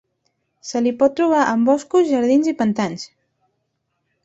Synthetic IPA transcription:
səlipɔt̪ːɾuβ̞aʔəmbɔskuzʒəɾðinzipənt̪ans

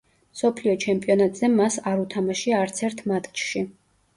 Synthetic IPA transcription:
msɔpʰliɔt͡ʃʰɛmpʼiɔnat̪ʼz̥ɛmːasaɾut̪ʰamaʃiaːɾt̪sʰɛɾt̪ʰmat̪ʼt͡ʃʼʃi

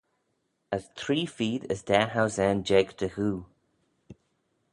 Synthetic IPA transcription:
əzt̪ʰɾɹiːfiːdəsd̪ɛːɦawsɛnd͡ʒɛɡt̪ʰəhuː

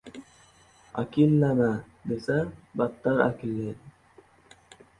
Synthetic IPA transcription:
a̰kilːana | d̪esaɾbat̪ːaɾa̰kilːe

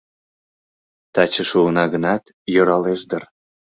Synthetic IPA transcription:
t̪ɑt͡ɕəʃuənɑɣənɑt̪ | joɾɑleʃd̪ər

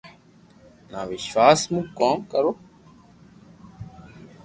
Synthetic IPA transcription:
naːʋɪʃʋaːsmũkoːmkəɾoː

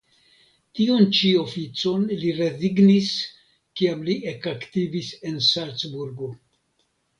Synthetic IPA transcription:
tiont͡ʃio̞fit͡so̞nliɾe̞ziɡnis | kiamliʔe̞kaktivise̞nsalt͡sbuɾɡo̞

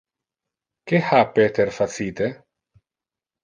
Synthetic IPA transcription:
kehapːet̪eɾfasiːt̪e

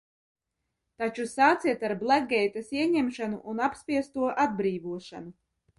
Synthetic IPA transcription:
t̪at͡ʃusaːt̪siɛt̪aɾblˠæɡɛjt̪asiɛɲemʃanṵʔunapspʲiɛst̪uɔʔad̪̚bɾiːvuɔʃa̰nu

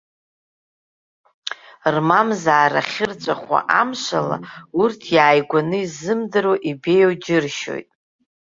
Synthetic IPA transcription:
rmamzaːɾaχʲɪrt͡ʃʷʼaχʷa̰ʔamʃʷa̰la̰urtʰjaːjɡʷanɨizɨmdɨɾoʔibe̞jowd͡ʒɪrʃo̞̰jtʼ

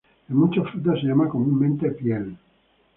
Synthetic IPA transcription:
emut͡ʃofɾut̪asʎamakomunmẽnt̪epjel

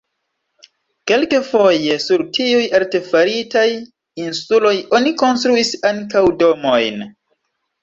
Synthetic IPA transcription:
ke̞lke̞fo̞jesuɾtiujalte̞faɾitaj | insulo̞jo̞niko̞nstɾuisaŋkawdo̞mo̞jn

